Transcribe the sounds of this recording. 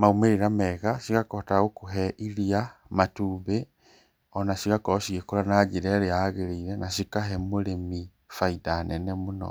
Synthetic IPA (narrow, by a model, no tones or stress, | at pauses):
maumeɾiɾamɛɣasiɣakɔtaɣokoɦɛʔiɾia | matuːβe | ɔnasiɣakɔsiɣekoɾanad͡ʒiɾɛɾeaɣeɾeiɾɛnaʃikaɦɛmoɾemi | faidanɛnɛmonɔ̰